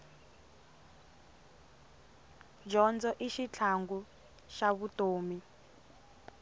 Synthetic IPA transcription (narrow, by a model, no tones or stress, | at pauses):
d͡ʒɔnd͡zɔʔiʃit͡ɬʰaŋɡu | ʃaβutoːmi